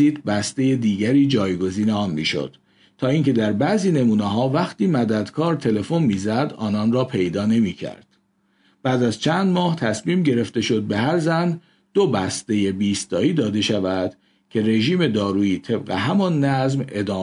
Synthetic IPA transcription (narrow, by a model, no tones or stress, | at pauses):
iːd̪̚bæst̪e̞je̞d̪iːɟæɾiːd͡ʒɒːjɡo̞ziːneɒːnmiːʃo̰d̪̥ | t̪ʰːɒːiːŋcʰe̞d̪æɾbæʔziːne̞muːneɦɒːvæχt̪iːmæd̪æd̪kʰɒːɾt̪ʰe̞le̞fo̞nmiːzæd̪ɒ̰ːnɒːnrɒːpʰe̞jd̪ɒːne̞miːcʰæ̰ɾd̪̥ | b̥æːd̪æzt͡ʃʰænd̪mɒːht̪ʰæsmiːmɟe̞ɾe̞ft̪e̞ʃo̞d̪̚be̞ɦæɾzæn | d̪̥obæst̪e̞je̞biːst̪ɒːiːd̪ɒːd̪e̞ʃævæd̪̥ | cʰe̞ɾe̞ʒiːme̞d̪ɒːɾuːiːt̪ʰe̞bɢeɦæmɒnːæzme̞̰d̪ɒː